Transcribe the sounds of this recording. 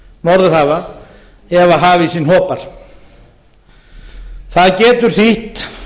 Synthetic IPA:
nɔɾðʏɾhaːva | ɛvaɦaːvɪisinhɔːpaɾ̥ | θaðcɛːt̪ʏɾ̥θiht̪

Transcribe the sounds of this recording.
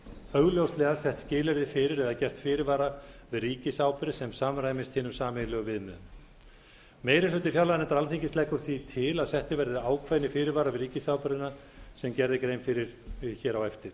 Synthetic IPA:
œɣljowst̪lɛɣasɛht̪scɪːlɛɾðɪfɪːɾɪɾɛðacɛr̥t̪fɪːɾɪɾvaːɾavɪðriːcɪsaːwpʏɾɪsɛmsaːmɾajmɪst̪hɪnʏmsaːmɪlœɣʏvɪðmʏð | mejɾɪlʏːt̪ɪfjalːaðnɛnt̪aɾalθiɲcɪslɛhkʏɾ̥θvit̪ʰɪlaðsɛht̪ɪvɛɾðɪaːwkʰvajnɪfɪːɾɪɾvaːɾavɪðriːcɪsaːwpʏɾɪna | sɛmcɛɾðɪkɾejmfɪɾɪɾ̥ɪçɛːɾawɛft̪ɪɾ̥

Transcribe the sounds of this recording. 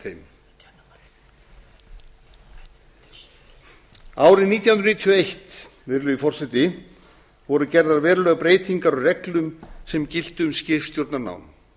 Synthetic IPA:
ejm | aːwɾɪðniːt̪jaɦnɾniːt̪ʰʏejht̪ | vɪɾlʏðifɔr̥sɛt̪ɪ | vɔɾʏcɛɾðaɾvɛːɾlœɣpɾeːjt̪iŋkaɾɔɣrɛklʏmsɛmcɪl̥t̪ʏʏmscɪfst̪jowɾt̪naɾna̰wn

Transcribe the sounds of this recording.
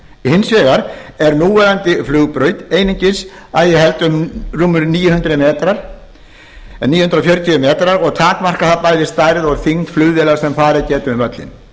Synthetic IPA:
hɪnsvɛːɣaɾɛɾnuːvɛːɾant̪ɪflʏːɣpɾœːɥt̪eːjniɲcɪs | aðjɛɦɛlt̪ʏmruːmːʏɾniːjʏhʏnt̪ɾɪmɛːt̪ɾaɾ̥ | niːjʏhʏnt̪ɾɔfjœɾt̪ʰiʏmɛːt̪aɾaɾɔɣt̪ʰaːk̪mar̥kaθapajðɪst̪aːjɾɪðɔɣθiŋt̪flʏːðvɪlaɣsɛmfaːɾɪcɛːt̪ʏɪmvœt̪lɪ̰n

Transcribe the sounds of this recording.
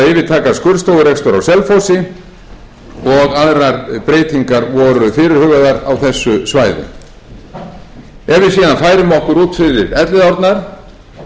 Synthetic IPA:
ɪːvɪðt̪ʰaːkaskʏɾst̪oːwɣʏɾɛkst̪ɔɾawsɛlfowsɪ | ɔɣaðɾaɾpɾeːjt̪ʰiŋkaɾvɔɾʏfɪɾɪɾ̥hʏɣaðaɾawθɛsːʏsvaːjðʏ̰ | ɛvɪsiːðanfaːjɾʏmɔhkʏɾuːt̪fɪɾɪɾɛt̪lɪðawɾt̪naɾ̥

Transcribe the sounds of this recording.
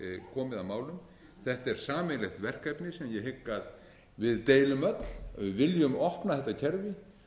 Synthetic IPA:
kʰɔːmɪðamaːwlʏm | θɛht̪ɛɾ̥saːmɪlɛxt̪vɛr̥kɛpnɪsɛmjɛɦɪkːað | vɪðt̪eːjlʏmœt̪l̥ɪðvɪljʏmɔhpnaθɛht̪ːacʰɛɾvɪ

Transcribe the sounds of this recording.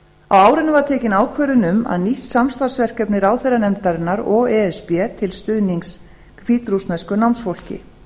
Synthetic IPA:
awaːwɾɪnʏvaɾt̪ʰɛːcɪnaːwkʰvœːɾʏnʏma̰ðniht̪samst̪asvɛr̥kɛpnɪɾaːwθɛjranɛmt̪aɾɪnːaɾɔɣɛɛspjɛt̪ʰɪlst̪ʏðniŋks | fiːt̪ɾust̪nɛskʏnawmnsfowl̥cɪ̰

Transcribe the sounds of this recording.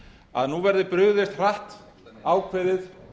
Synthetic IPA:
a̰ðnuvɛɾðʏpɾʏɣðɪst̪r̥aht̪ | aːwkʰvɪðɪð

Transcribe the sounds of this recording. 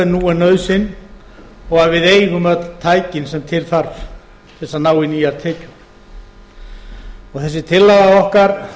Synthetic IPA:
ɪnuːɛnœɥðsɪn | ɔɣaðvɪðeːjɣʏmœt̪t̪ʰːaːjcɪnsɛmt̪ʰɪlθaɾv | θɛsːanaːwɪniːaɾ̥t̪ʰɛːcʏm | ɔɣθɛs̬ːɪt̪ʰɪlːaɣaɔhkaɾ̥

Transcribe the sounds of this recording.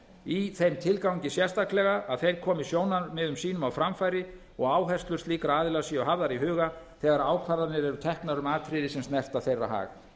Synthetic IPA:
iθejmt̪ʰɪlkawɲcɪsjɛrst̪aklɛɣaʔaðθejɾ̥kʰɔːmɪsjoːwnamɛːðʏmsiːnʏmawfɾamfajɾɪ | ɔɣaːwɦɛst̪lʏɾ̥t̪liːkaɾaːðɪlasiɔɦavðaɾiɦʏːɣaθɛːɣaɾaːwkʰvaɾðaɾnɪɾɛɾʏt̪ʰɛhknaɾʏmaːt̪ʰɾɪðɪsɛmst̪nɛr̥t̪aðθejrːa̰ɦa̰ːɣa

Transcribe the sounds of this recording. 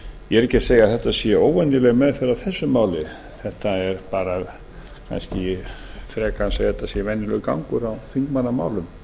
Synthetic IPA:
jɛɛɾɛcːɛ̥seːjaðθɛht̪ːasjɛoːwɛnɪlɛɣmɛðfɪɾaðθɛsːʏmaːwlɪ | θɛht̪aɛɾpaːɾað | kʰa̰nscɪfɾɛːkanseːjθɛt̪ːasjɛvɛnːɪlʏka̰wŋkʏɾawθiŋkmanːama̰ːwlʏm

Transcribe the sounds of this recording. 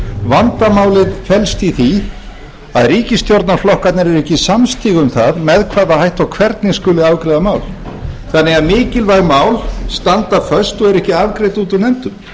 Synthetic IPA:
vant̪amaːwlɪðfɛlst̪iθi | aðriːcɪst̪jowɾt̪naɾflɔhkat̪nɪɾɛɾɛhcɪsamst̪iːɣʏmθaðmɛðkʰvaːðahajht̪ɔɣkʰvɛɾt̪nɪskʏːlɪaːvkɾɪjðamaːwl | θanːɛɣaðmɪːcɪlvajmaːwlst̪ant̪afœst̪ɔɣɛɾɛhcɪavkɾejt̪uːt̪ʏnɛmt̪ʏm

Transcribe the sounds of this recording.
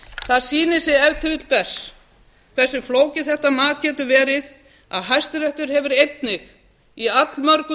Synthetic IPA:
θaðsiːnɪsɪɛvt̪ʰʏvɪt̪lpʰɛs | kʰvɛ̥sɪfloːwcɪθɛht̪amaːt̪cɛːt̪ʏvɛːɾɪð | aðɦajst̪ɪɾɛht̪ʏɾ̥hɛvɪɾejt̪̚nɪx | iat̪lmœɾkʏ

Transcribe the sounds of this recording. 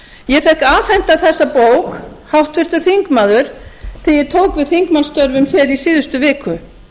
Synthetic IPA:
jɛfɛhkaːfɛjn̥t̪aθɛsːapoːwkhawht̪vɪr̥t̪ʏ̥θiŋkmaːðʏɾ̥θʰɪjɛt̪ʰoːwkvɪðθiŋkmanst̪œɾvʏmçɛɾisiːðʏst̪ʏvɪːkʏ

